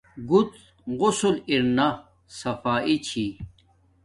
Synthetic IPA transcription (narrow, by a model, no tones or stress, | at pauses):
ɡut̪ | ɣʊsuliɾna | sɐfaːʔit͡ɕʰi